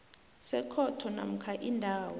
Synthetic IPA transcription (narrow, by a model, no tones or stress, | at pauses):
sɛkʰɔtʰɔna̰m̩kʰaʔindʱaːwɔ